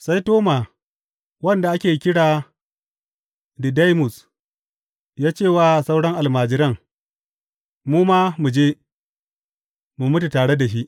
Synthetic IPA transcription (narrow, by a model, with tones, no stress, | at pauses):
sa˦jtoː˦ma˨ | wɐ˦nda˨ʔa˦kʲeː˨kʲɪ˦ɽaː˨ | di˨da˦jmʊ˨s | jaː˦t͡ʃeː˦˨waː˦˨sa˦wɽɐ˦ŋʔa˨lmaː˨d͡ʒɪ˦ɾɐ˦ŋ | muː˦ma˦mu˨d͡ʒeː˦ | mu˨mʊ˦ti˨taː˨ɽe˦da˨ʃi˦ʔ